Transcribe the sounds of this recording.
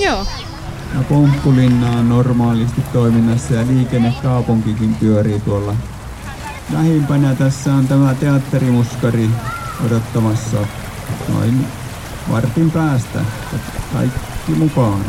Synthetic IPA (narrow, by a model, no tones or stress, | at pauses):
joː | jɑpompːulinːɑːonnormɑːlist̪it̪toiminːɑsːɑjɑliːkenːekkɑˑupuŋkikimpyøriːt̪uolːɑ | læhempænjɑt̪æsːæont̪æmæt̪eɑt̪ːerimuskɑri | odot̪ːɑmɑsːɑ̰ | t̪o̰in | ʋɑ̰rt̪impæːst̪æ̰jɑkɑ̰ikːimukɑon